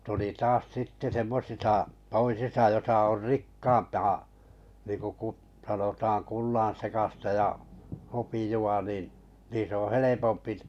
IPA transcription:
tuli tɑːs sitːe semːosisɑ toisisɑ josɑ or rikːɑːmpɑː niːŋku kut sɑnotɑːn kulːɑ̃ːsekɑstɑ jɑ hopijuɑ nin̞ niːs õː helepompiʔ

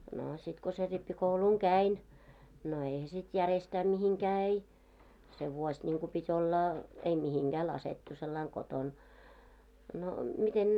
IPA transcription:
noː sit ko se ripːikouluŋ kæin no eihæ sit jærestæː mihiŋkæː ei se ʋuosʲ nʲiŋku pitʲ olːɑ ei mihiŋɡ̊æː lɑsetːu selːɑiŋ koton no miten

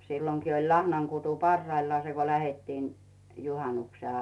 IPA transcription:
silːoŋki olʲ lɑhnɑŋkutu pɑrːɑilːɑː se ko læhetːiːn juhɑnːukse

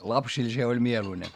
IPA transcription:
lɑpsil se olʲ mieluine

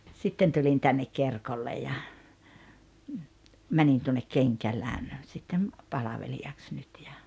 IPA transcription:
sitːen tulin tænːek kerkolːe jɑ mænin tuonːek keŋkæːlæŋ sitːem pɑlɑʋeliɑks nyt jɑ

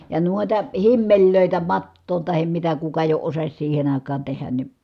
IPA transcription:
jɑ nuotɑ himːelʲløˑitæ mɑtːoːn tɑhem mitæ kukɑ jo osɑs siːhen ɑˑi̯kˑɑːn tehæn ni

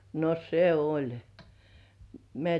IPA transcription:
no se olʲ mĕæˑ

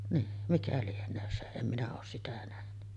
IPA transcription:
niː mikæ lienˑøːn se em minæ oːs sitæ næhny

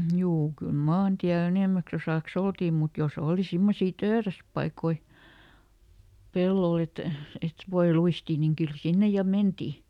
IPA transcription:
juː kyl mɑːntiæl eneˑmæks osɑˑks oltiː mut jos oːli simːosiː tøːræspɑikoi pelːol et et ʋoi luistiː niŋ kyl sinːe jɑ menti

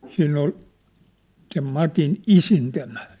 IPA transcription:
siːnː ol sem mɑtin isintæmæ

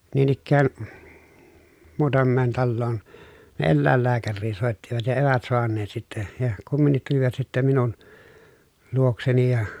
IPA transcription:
niːn ikːæːn muːtɑmːeːn tɑlːoːn ne elːæˑelːæːkærːiː soˑetːiʋɑt jɑ eˑʋæt soɑnːeːt sitːe jɑ kumːinːit tuliʋɑt sitːem minun luokseni jɑ

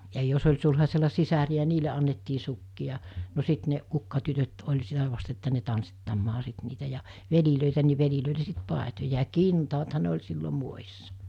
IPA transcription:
jɑ jos olʲ sulhɑselːɑ sisæriæ niːle ɑnːetːiː sukːiɑ no sit ne kukːɑtytøt olʲ sitæ ʋɑst etːæ ne tɑnsːitːɑmːɑː sit niːtæ jɑ ʋeliløˑitæ ni ʋeliløˑile sit pɑˑetojɑ jɑ kintɑːthɑ ne olʲ silːo muojisːɑ

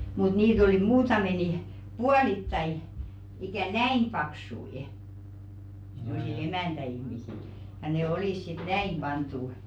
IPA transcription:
mut niːt oliˑ muːtɑme ni puɑlitːɑi ikæˑ næim pɑksui se̞mˑo̟sil emæˑntæihmisil jɑ ne oliˑs sit næim b̥ɑntˑu

